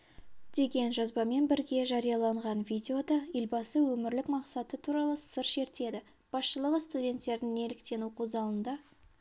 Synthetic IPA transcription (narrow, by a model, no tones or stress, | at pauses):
d̪̥e̞ɡʲe̞nʒɑzbɑme̞nbɪɾɡʲe̞ʒɑɾijɑlˠɑɴʁɑnvʲijdʲe̞o̞d̪ɑelbɑsəwɵmɪɾlɪkmɑqsɑt̪ət̪ʰuɾɑlˠəsəɾʃe̞ɾt̪e̞d̪ɪ | b̥ɑsʃəlˠəʁəst̪udʲe̞nt̪ːe̞ɾd̪ɪŋne̞lɪkt̪e̞nuqʰozd̪ɑlˠənd̪ɑ